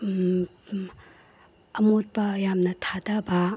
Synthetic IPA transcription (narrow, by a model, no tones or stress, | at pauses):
ɐmot̚pɐjamnɐtʰadɐbɐ